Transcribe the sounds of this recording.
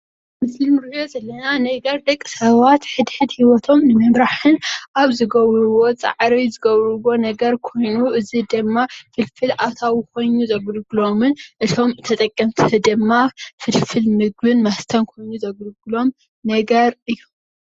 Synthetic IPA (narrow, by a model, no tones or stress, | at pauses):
mɨslimɨɾjozɐlːɐnanɐɡɐɾd̪ɐkʼːɨ̥sɐβat̪ħɨd̪ħɨd̪hiwɔt̪ʰo̞mnɨmɐmɾaħɨnʔaβzɨɡɐβɾɨβo̞t͡sʼa̰ʕɾizɨɡɐβɾɨβo̞nɐɡɐɾkʰo̞jnuʔɨzid̪ɨmːafɨlfɨlʔat̪ʰawuko̞jnuzɐɡlɡɨlo̞mɨnʔɨt̪ʰo̞mɨt̪ʰɐt̪ʼɐkʼːɐmt̪ʰd̪ɨmːafɨlfɨlmɨɡ̚bɨnmast̪ʰɐnkʰo̞jnuzɐɡɨlɡɨlo̞m | nɐɡɐɾɨjːom